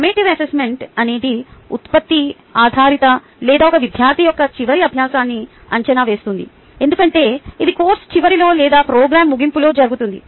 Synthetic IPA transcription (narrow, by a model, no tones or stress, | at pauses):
kɐmeːʈiʋɐsesme̞ɳʈɐneːd̪iṵt̪pɐt̪ːi | aːd̪ʱaːɾit̪ɐ | lɛːd̪aːɔkɐʋid̪ʱjaːɾt̪ʰijɔkːɐt͡ʃiʋɐɾiɐbʱjaːsaːnːi | ɐ̰ɲt͡ʃɐnaːʋe̞ːst̪und̪ḭ | e̞nd̪ukɐɳʈe̞ːid̪ikoːɾst͡ʃiʋɐɾilo̞ːlɛːd̪aːpɾoːɡɾaːmːuɡimpulo̞ːd͡ʒɐɾuɡut̪und̪ḭ